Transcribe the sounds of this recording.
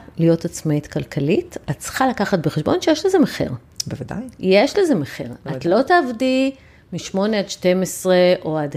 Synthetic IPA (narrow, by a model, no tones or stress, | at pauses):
lijo̞tat͡smaitkalkʰalitatt͡sχalakaχatbeχeʃbo̞nʃejeʃlezemeχḭʁ | bevad̪a̰jjeʃlezemeχḛʁatlo̞taːvdi | miʃmo̞neadʃte̞mesʁeʔo̞ad